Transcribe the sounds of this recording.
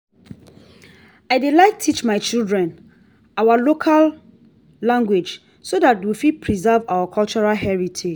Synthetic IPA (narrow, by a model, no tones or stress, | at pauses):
aɪdelaɪk̚tʰit͡ʃmaɪt͡ʃildɹɛ̃n | awalokʰalː | ãŋɡwed͡ʒ | sodat̚wifid̚pʰɹizɛvawakʰɔlt͡ʃɔɹalɦɛɹitʰe